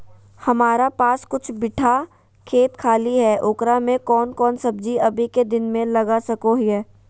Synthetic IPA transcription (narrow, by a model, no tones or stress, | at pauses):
hɐmaːɾapaːskʊt͡ʃʰbɪʈʰa | kʰeːt̪kʰaːliɦɛːʔʊːkɾamẽkɔːnkɔːnsɐbd͡ʒiɐbʱiked̪ɪnmẽlɐɡasɐkoɦiɦɛː